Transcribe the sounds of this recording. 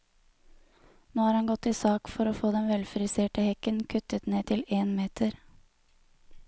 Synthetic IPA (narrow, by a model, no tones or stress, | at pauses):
noːhɑːɾhɑnɡɔt̪ːiːsɑːkfɔɾoːfoːd̪ɛnʋɛlfɾɪseːʈəhɛkənkʰʉt̪ət̪neːt̪ʰɪleːnmeːt̪ʰəɾ